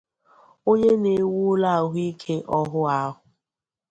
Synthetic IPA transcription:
o˦ɲe˦ne˨wu˦la˦˨a˨ɦʊ˦i˦kʰe˦ʔɔ˦ɦʊ˦a˦ɦʊ˨

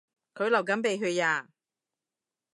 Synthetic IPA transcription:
kʰɵ˨˧ɥlɐ˨˩wkɐ˨˥mpe˨˧jɦɵ˨˧ɥjaː˧˩

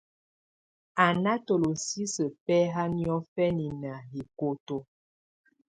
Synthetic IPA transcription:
a˨na˦to˨lo˨si˦sə˨pɛ˦ɦa˦njɔ˦fɛ˦ni˨na˨ɦi˨ko˦to˦

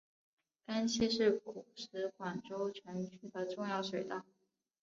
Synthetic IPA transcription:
ka˥nt͡ɕʰi˥ʂɻ̩˥˩ku˨˩ʂ̩˧˥kwa˨˩nʈ͡ʂo˥ʊt͡ɕʰɛ˧˥nt͡ɕʰy˥d̪ə˨ʈ͡ʂʊ˥˧ŋjɑ˥˩ʊʂwe˨˩ɪt̪a˥

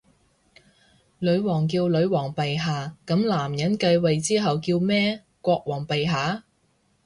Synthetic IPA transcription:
lɵ˨˧˥ɥwɔː˨˩ŋk̬iː˧wlɵ˨˧ɥwɔː˨˩ŋpe˨jɦaː˨kɐ˨˥mlaː˨˩mjɐ˨˥nkɐ˧jwɐ˨jt͡siː˥ɦɐ˨wkiː˧wmɛː˥ | kʷɔː˧k̚wɔː˨˩ŋpe˨jɦaː˨˧˥

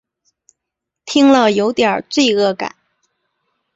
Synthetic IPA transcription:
t̪ʰi˥ŋlə˨jo˧˥ʊt̪jə˞˨˩t͡swe˥˧ɪɤ˥˩ka̰˨˩˦n

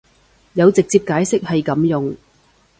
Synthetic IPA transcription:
jɐ˨˧wt͡sɪ˨k̚t͡siː˧p̚kaː˨˥jsɪ˥k̚hɐ˨jkɐ˨˥mjʊ˨ŋ

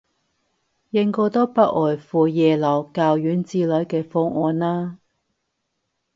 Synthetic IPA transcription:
jɪ˧ŋkɔː˧t̪ɔː˥pɐ˥ʔ̚ɔː˨˩jfuː˨˩jɛː˨lɐ˨˩wkaː˨wjyː˨˥nt͡siː˧lœ˨˥jkɛː˧fɔ˧˥ŋʔɔː˨˧naː˥

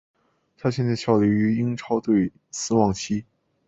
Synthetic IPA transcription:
t̪ʰa˥ɕ̬jɛ˥˧nt͡sɕʰjɑ˥˩ʊli˧˥y˧˥i˥ŋʈ͡ʂʰɑ˥ʊt̪we˥˩ɪ | sɹ̩˥wɑ˥˩ŋt͡ɕʰi˥

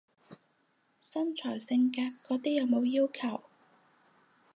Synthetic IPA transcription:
sɐ˥nt͡ʃʰɔː˨˩jsɪ˧ŋkaː˧tkːɔː˨˥t̪iː˥jɐ˨˧wmo˨˧wjiː˥wkʰɐ˨˩w

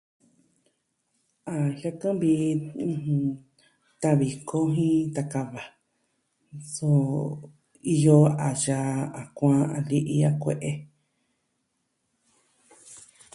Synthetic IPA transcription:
a˨ha˧kã˦bĩ˧˨ | t̪a˧βi˨kʰo˦ɦĩ˦t̪a˧ka˧βa˨ | so˧˦ | i˧jo˧a˨ja˧a˨kʷã˦˧a̰˧˨li˦ʔi˧a˦kʷḛ˧˨ʔe˦

